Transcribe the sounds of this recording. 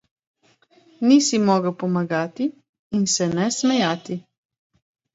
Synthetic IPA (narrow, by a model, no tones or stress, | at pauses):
nisimɔːɡəwpɔmaɡaːt̪iː | nsɛnɛsmɛjaːt̪i